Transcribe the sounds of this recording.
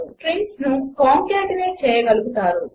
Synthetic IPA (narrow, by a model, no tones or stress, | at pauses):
ʈɾiŋsnukaːŋkaːʈineːt͡ʃɛːjɐɡɐluɡut̪aːɾu